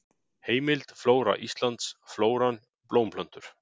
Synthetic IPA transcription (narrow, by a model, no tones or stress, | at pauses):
heːjmɪlt̪floːwɾa̰ʔist̪lant̪sfloːwɾan | ploːwmpʰlœn̥t̪ʏɾ̥